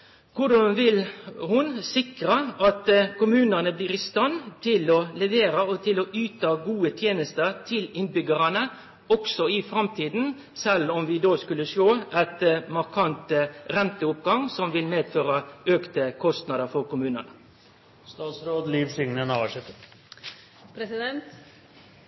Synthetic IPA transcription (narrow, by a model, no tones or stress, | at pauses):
kʰʊɖɑnʋɪlhʊnsɪkɾəɑt̪kʊmʉːnənəbliːɾɪst̪ɑnt̪ʰɪlɔlɛʋeːɾəɔt̪ʰɪlɔʔyːt̪ɑɡuːət̪ʰjeːnəst̪əɾt̪ʰɪlɪnbʏɡəɾɑnə | ɔksɔɪfɾɑmt̪ʰiːd̪n̩ | sɛlːɔmʋɪd̪oːskʉlːəʂoːʔæt̪mɑɾkʰɑnt̪ɾɛnt̪əʊpɡɑŋsɔmʋɪlmeːd̪føːɾɑøːkt̪əkʰɔst̪nɑd̪əɾfɔɾkʊmʉːnənə | st̪ɑːt̪sɾoːd̪liːʋsʏŋnənɑʋəʂɛt̪ːə | pʰɾɛsɪd̪ɛnt̪